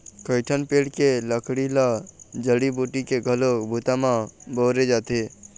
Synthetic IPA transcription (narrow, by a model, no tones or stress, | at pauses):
kəɪʈʰənpeːɽkeləkʰɽilad͡ʒəɽibuːʈikeɡʱəlokbʱut̪amãboːɾed͡ʒaːt̪e